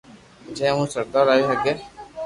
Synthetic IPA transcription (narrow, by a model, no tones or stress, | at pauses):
d͡ʒɛ̃ːɦũːsəɾd̪aːɾaːjuɦɛɡeː